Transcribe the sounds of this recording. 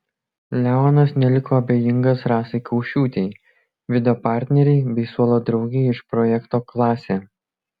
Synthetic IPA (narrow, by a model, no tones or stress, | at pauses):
lʲæɔnɐsnʲɛlʲɪkoːɐbʲeːjɪŋɡɐsɾɑːsɐɪkʰɐʊʃʲuːt̪ʲɛɪ | ʋʲɪd̪ʲɛɔːpɑˑɾʲt̪ʲnʲɛɾʲɛɪbʲɛɪsuɔlˠoːd̪ɾɒʊɡʲɛɪɪʃpɾɔjɛkt̪oːklˠɑːsʲeː